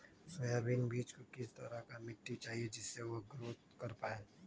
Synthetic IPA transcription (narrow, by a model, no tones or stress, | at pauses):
sojaːbiːnbiːt͡ʃkokɪst̪ɐɾakamɪʈːit͡ʃaːɦied͡ʒɪsːeʋoɡɾoːt̪kɐɾpaːeː